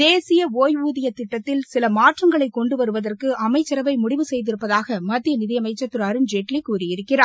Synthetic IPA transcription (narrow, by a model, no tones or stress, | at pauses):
d̪eːsɪjɐoːjʋuːðɪjɐt̪ːɪʈːɐt̪ːɪlsɪlɐmaːʈrɐŋɡɐɭɐɪkːɔɳɖɯʋɐɾɯʋɐðɐrkɯɐmɐɪt͡ʃːɐɾɐʋɐɪmʊɽɪʋɯsɛjðɪɾɯpːɐðaːɣɐmɐd̪ːɪjɐnɪðɪjɐmɐɪt͡ʃːɐt̪ːɯɾɐɾɯnd͡ʒeʈlikuːɾɪjɪɾɯkːɪraː